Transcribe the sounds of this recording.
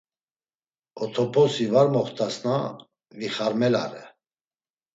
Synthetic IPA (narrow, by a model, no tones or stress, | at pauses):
ɔt̪ʰɔpʰɔsivaɾmɔχt̪ʰʼasna | viχaɾmɛla̰ɾɛ̰